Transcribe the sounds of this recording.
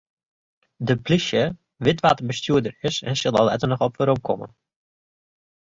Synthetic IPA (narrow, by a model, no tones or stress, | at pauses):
dəplisjə | ʋɪtʋatəbəstyədərɪsɛ̰nsɪlˠa̰lˠɛ̰tənəχɔpʋəɾomkʰɔ̰mə̰n